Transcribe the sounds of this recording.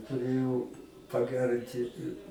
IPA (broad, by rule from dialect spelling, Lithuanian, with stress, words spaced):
tʊˈrʲeːjɛʊ pɐˈɡʲærʲɪnʲtʲɪ